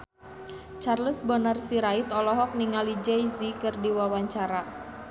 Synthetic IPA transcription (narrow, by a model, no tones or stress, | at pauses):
t͡ʃarləsbɔnarsiɾait̪ɔlɔɦɔk̚niŋalid͡ʒɛjzikɨrdiwawaɲt͡ʃaɾa